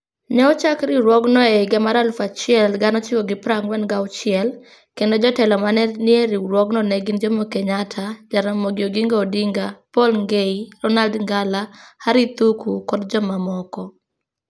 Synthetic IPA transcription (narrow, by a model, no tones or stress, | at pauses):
nɛɔt͡ʃakɾɪɾwɔɡnɔeɡamaɾalfat͡ʃɪɛlɡanɔt͡ʃɪwɔɡɪpɾaŋwɛnɡawt͡ʃɪɛl | kendod͡ʒɔtɛlɔmanɛnɪeɾiɾwɔɡnɔnɛɡɪnd͡ʒomokeɲatʰad͡ʒaɾamoɡɪoɡiŋɡaodiŋɡapɔlŋɡeiɾɔnaldŋɡalahaɾit̪ukukɔdd͡ʒɔmamɔkɔ